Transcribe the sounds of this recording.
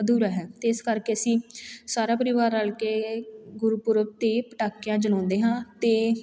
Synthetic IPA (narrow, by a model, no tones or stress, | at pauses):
d̪uːɾaːɦɛːt̪eɪskəɾkeːəsĩːsaːɾaːpəɾɪʋaːɾaːlkeːɡʊɾuːpʊɾbt̪eːpəʈaːkɪjãːd͡ʒəlɔ̃ːnd̪eːɦãːt̪eː